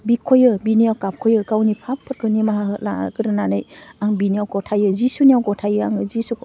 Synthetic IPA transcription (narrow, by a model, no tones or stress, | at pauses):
bikʰojɯbiniawkap̚kʰɔjɯkawnipʰapʰːɯɾkʰɯnimaɦaɦɯla̰ɡɯɾɯnanɯjaŋbiniawɡɔtʰajɯzisunijawɡɔtʰajɯaŋɯzisuk